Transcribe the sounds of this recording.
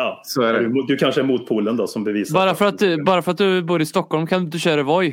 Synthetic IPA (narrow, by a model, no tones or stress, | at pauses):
jɑsɔædɛdd̪ɵkʰanʂəæɾmuːt̪̚pʰuːlənd̪ɔsɔmbɛviːsbɑːɾaffœɾat̪bɑːɾafœɾat̪̚d̪ɵbuːɾɪst̪ɔkhɔlmkʰand̪ɵɕøːɾəɾvɔj